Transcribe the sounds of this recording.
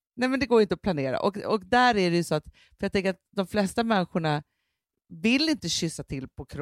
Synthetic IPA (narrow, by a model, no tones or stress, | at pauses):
nɛmɛnd̪ɛɡoːɾʏɪnt̪əɔpʰlaneːɾa̰ʔɔkɔkd̪æːɾæɖɛjɵsɔat̪ | fœɾjat̪ʰɛŋkəɾat̪̚d̪ɔmflɛst̪amɛnːɧʊɳa | vɪlːɪnt̪əɕʏsːat̪ʰɪlpʰɔkʰɾ